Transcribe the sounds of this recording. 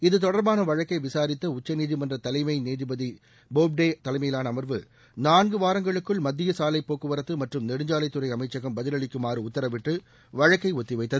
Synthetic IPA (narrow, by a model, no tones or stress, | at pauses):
ɪðɯt̪ɔɽɐɾbaːnɐʋɐɻɐkːɐɪʋɪsaːɾɪt̪ːɐʊt͡ʃːɐniːðimɐndrɐt̪ɐlɐɪmɐɪneːðɪbɐði | boːb̚ɖeːt̪ɐlɐɪmɐjɪlaːnɐːmɐɾʋɯ | naːnɡɯʋaːɾɐŋɡɐɭɯkːɯɭmɐd̪ːɪjɐsaːlɐɪpːoːkːɯʋɐɾɐt̪ːɯmɐʈrɯmnɛɽɯɲd͡ʒaːlɐɪt̪ːɯrɐɪɐmɐɪt͡ʃːɐɣɐmbɐðɪlɐɭɪkːɯmaːɾɯʊt̪ːɐɾɐʋɪʈːɯ | ʋɐɻɐkːɐɪɔt̪ːɪʋɐɪt̪ːɐð